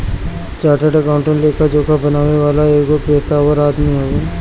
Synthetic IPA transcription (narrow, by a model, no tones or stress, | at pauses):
t͡ʃaːʈəʈəkaʊ̃ɳʈənleːkad͡ʒoːkabɐnaːʋeʋaːlaeːɡopeːɾt̪aːʋəɾaːd̪miɦoe